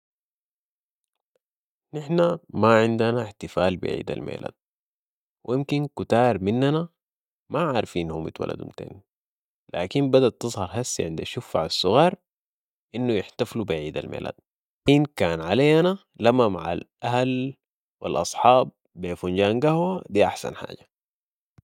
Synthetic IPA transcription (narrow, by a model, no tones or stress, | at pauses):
nɪħnamaʕɪnd̪anaħt̪ɪfaːlbḭʕḭːd̪a̰lmḛːlʔa̰ːd̪̚ | wijmkinkut̪ɑːɾˤminːana | maʕaːɾˤfiːnhumḭt̪wa̰la̰d̪ṵmt̪ḛːn | la̰ːkimbad̪at̪ːɨzˤhɑɾˤɦasːiʕɪnd̪aʃufːaʕasˤːʊɣɑːɾˤ | ʔinːujɪħt̪aflubiʕiːd̪a̰lmḛːla̰ːd̪̚ | ʔinkaːnʕalajːana | lamːamaʕa̰lʔahal | wḭlʔɑ̰sˤħɑːb̚ | beːfunɟaːnɡahwad̪iːʔaħsa̰nħa̰ːɟa